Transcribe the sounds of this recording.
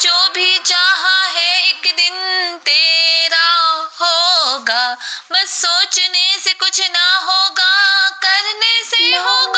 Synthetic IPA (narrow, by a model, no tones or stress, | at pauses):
d͡ʒoːbʱit͡ʃaːɦaɦɛɪkd̪ɪnt̪eːɾaɦoːɡaːmɐsoːt͡ʃnesekʊt͡ʃʰnɐɦoːɡaːkɐɾneseɦoːɡ